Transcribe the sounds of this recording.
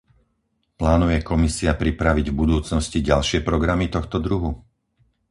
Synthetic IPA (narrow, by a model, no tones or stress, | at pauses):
plaːnujɛkɔmisiapɾipɾaʋiɟvbud̪uːt͡snɔsciɟalʃɪɛpɾɔɡɾamit̪ɔxt̪ɔd̪ɾuɦu